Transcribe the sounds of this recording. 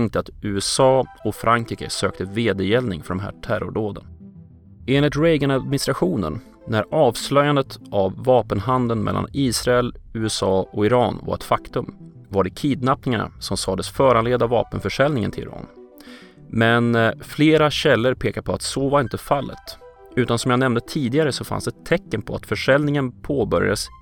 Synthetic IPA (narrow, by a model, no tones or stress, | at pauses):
ŋkt̪əat̪ʉ̟ːɛsɑːɔfɾʔaŋkɾiːkə̰søːk̚t̪əveːd̪əjɛlnɪ̰ŋfœɖɔmɦæ̰ːʈʰæɾʊ̰ɖoːd̪ə̰n | eːnlɪt̪ɾɛjɡənad̪mɪnɪst̪ɾaɧuːnə̰nː | æɾɑːvslœjand̪ət̪ʔavːɑːpənɦand̪ənmɛ̰lːa̰niːsɾaɛlʉːɛsɑːɔɪɾɑːnva̰ɾɛ̰t̪fakt̪ɵm | vaɖɛkʰiːd̪napnɪŋana̰sɔmsɑːd̪əsfœːɾanleːd̪avɑːpənfœʂɛlnɪŋə̰ntʰɪlɪ̰ɾɑ̰ːn | mɛnfleːɾaɕɛlːəɾpʰeːkaɾpʰɔa̰t̪soːvaɾɪnt̪əfalːə̰t̪ | ʉ̟ːt̪ansɔmjanɛmnd̪ət̪ʰiːd̪ɪɡaɾəsɔfa̰nsd̪ɛt̪ʰːɛkːənpʰɔa̰t̪fœʂɛlnɪŋənpʰoːbœɾja̰d̪əs